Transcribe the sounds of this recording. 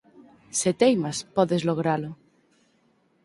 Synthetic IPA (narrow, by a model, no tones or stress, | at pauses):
set̪ejmaspɔðezloɣ̞ɾalo